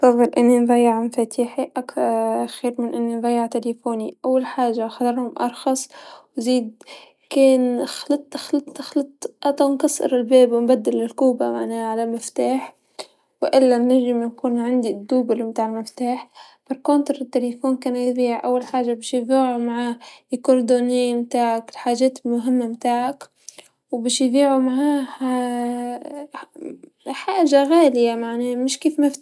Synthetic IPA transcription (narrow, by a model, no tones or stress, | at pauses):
t̪ˤɑbːɑlʔɪnːinðˤɑjːɪʕmfat̪iːħiʔakɾˤxiːɾmɪnʔɪnːinðˤɑjːɪʕt̪elefoːniʔawːalħaːʒːaxɑd̪ɑɾˤhʊmʔɑɾˤxɑsˤwziːd̪ | keːnxlɪt̪ˤːʔxlɑt̪ˤːxlɑt̪ˤːʔɑt̪ˤɑnkɑsˤɨ̰ɾɪlbeːbwɪmbad̪ːɪlɪlkuːba̰ma̰ʕnaːhaʕalamɪft̪aːħ | wʔɪlːanːaʒɪmjakuːnʕand̪id̪ːuːbalmt̪aːʕɪlmɪft̪aːħ | b̥ɑɾˤkoːnt̪ɪɾɪt̪ːelefoːnkaːnajðiːʕʔa̰wːalħaːʒːabiːʃjviːʕumaʕaːkʊɾˤd̪oːniːmt̪aːʕakɪlħaːʒeːt̪ɪlmʊɦɪmːamt̪aːʕak | wbaːʃjðiːʕumaʕaːha | ħaːʒaɣaːlɪjamaʕnaːmɪʃkiːfmaf